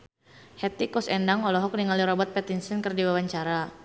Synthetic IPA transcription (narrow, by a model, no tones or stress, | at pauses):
hɛt̪ikɔsɛndaŋɔlɔɦɔk̚niŋaliɾɔbɔt̪̚pɛt̪insinkərdiwawaɲt͡ʃaɾa